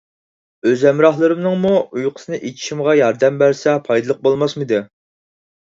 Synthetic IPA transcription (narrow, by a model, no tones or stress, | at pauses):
øzɛmɾɑχlˠɨɾɨmnɨŋmuujqʰə̥sɨnɨʔet͡ʃʰi̥ʃimʁɑjɑɾd̪ɛmbæɾsɛpʰɑjd̪ɨlˠəq̚bolˠmɑsmɨd̪ɪ